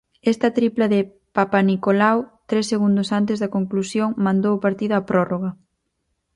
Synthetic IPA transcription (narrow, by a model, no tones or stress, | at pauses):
ɛst̪ɐt̪ɾiplɐðɪ | papanikolawt̪ɾesːeɣund̪ʊsant̪ezðɐkoŋklusjoŋmãnd̪owpaɾt̪iðoapɾɔroɣɐ